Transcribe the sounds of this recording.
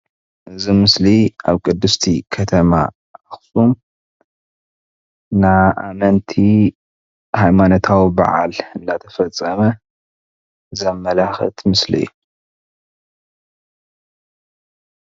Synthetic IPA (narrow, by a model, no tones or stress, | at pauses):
ʔɨzimɨsliʔa̰βkʼɨd̪ːɨst̪ʰikʰɐt̪ʰɐma̰ | axsʼun | aʔa̰mɐnt̪ʰi | hajmanot̪ʰawiba̰ʕa̰lɨnd̪at̪ʰɐfɐt͡sʼːɐmɐ | zɐmːɐlaxɨ̰t̪ʰmɨslḭjːu